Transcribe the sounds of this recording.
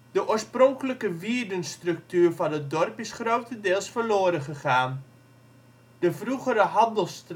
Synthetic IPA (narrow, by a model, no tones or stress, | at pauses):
dəʔʊːəɹsproŋkələkəʋiərdənstrɵk̚tyːrvɑnət̚dɔrpɪsχrowtəndɪːlˠsfəɹloːəɾəχəχaːn | dəvruχəɾəɦɑndəlˠst